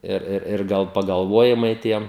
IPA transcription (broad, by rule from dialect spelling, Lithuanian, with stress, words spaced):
ɪr ˈɪr ɪr ˈɡɐlˠ pɐɡɐlˠˈʋoːjɪmɐɪ ˈtʲiɛm